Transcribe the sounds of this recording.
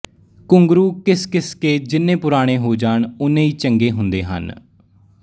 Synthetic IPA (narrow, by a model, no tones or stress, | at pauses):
kʊŋɡɾuːkɪskɪskeːd͡ʒɪnːẽːpʊɾaːɽ̃ẽːɦoːd͡ʒaːɳʊnẽːiːt͡ʃəŋɡeːɦʊnd̪ḛːɦə̰n